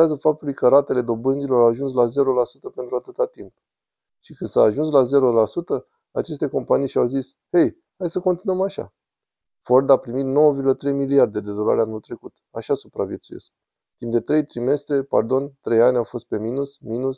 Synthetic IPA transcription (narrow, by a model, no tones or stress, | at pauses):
azəfap̚t̪ulujkəɾat̪e̞le̞d̪o̞bɨnzilo̞ɾawaʒuns̬laze̞ɾolasut̪əpent̪ɾuat̪ɨt̪at̪imp̚ | ʃikɨnd̪saːʒuns̬laze̞ɾolasut̪ə | a̰t͡ʃe̞st̪e̞ko̞mpanijʃiawzis | he̞j | hajsəkont̪inuəmaʃa̰ | fo̞rd̪apɾimit̪no̞wəviɾrɡulət̪ɾe̞jmiliard̪e̞d̪e̞d̪o̞la̰ɾeanult̪ɾe̞kut̪aʃasupɾavje̞t̪suje̞̰sk̚ | t̪impd̪e̞t̪ɾe̞jt̪ɾime̞st̪ɾe̞pa̰rd̪o̞nt̪ɾe̞janʲawfo̞st̪̚pe̞minusminus